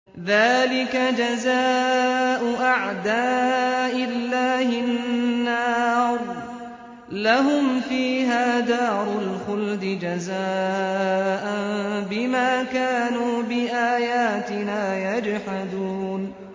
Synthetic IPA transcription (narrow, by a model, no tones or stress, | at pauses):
ðaːlɪkad͡ʒazaːʔʊʔaʕd̪aːʔɪlːaːhɪnnːɑːɾˤ | laɦʊmfiːɦaːd̪aːɾˤʊlxʊld̪ɪd͡ʒazaː | ʔanbɪmaːkaːnuːbɪʔaːjaːt̪ɪnaːjad͡ʒħad̪uːn